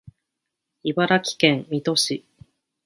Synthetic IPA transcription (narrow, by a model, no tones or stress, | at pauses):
ibaɾakʲi̥kẽ̞mmʲit̪o̞ɕi